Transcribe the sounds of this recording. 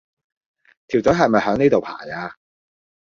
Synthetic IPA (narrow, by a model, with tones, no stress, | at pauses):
t̪ʰiː˨˩wt͡sɔ˨˥ɦɐ˨jmɐ˨jɦœː˨˥ŋniː˥t̪o˨wpʰa̰ː˨˩jaː˧